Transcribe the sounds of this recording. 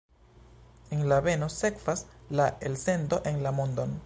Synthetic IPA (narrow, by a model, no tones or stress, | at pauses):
enlaβe̞no̞se̞kvaslaelsend̪o̞ʔe̞ŋlamond̪on